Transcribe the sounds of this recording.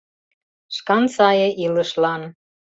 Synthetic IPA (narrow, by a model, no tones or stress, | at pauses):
ʃkɑnsɑjɤʔilə̆ʃlɑn